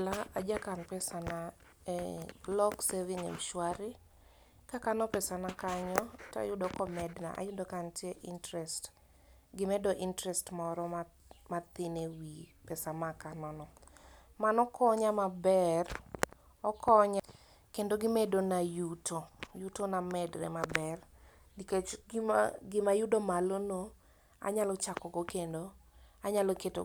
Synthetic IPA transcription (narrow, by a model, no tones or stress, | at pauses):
laad͡ʒakanpɛsana | ɛlɔksevinḛmʃwaɾɪ | kakanɔpɛsanakaɲɔta̰jʊdɔkɔmɛdna̰ʔa̰jʊdɔkantjeʔintɾɛst | ɡɪmɛdɔʔintɾɛstmɔɾɔma | mat̪ɪnewipɛsamakanɔnɔ | manɔkɔɲamabɛr | ɔkɔɲ | kendoɡɪmedonajutʰojutonamɛdɾɛ̰mabɛr | niket͡ʃ | ɡɪmajʊdomalono | a̰ɲalɔt͡ʃakɔɡɔkendoaɲalɔketo̰